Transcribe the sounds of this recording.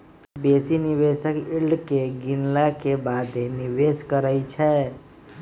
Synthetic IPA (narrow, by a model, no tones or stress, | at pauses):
besiniβesəkilɖkeɡinlakebad̪enibeskəɾəjt͡ʃʰɛ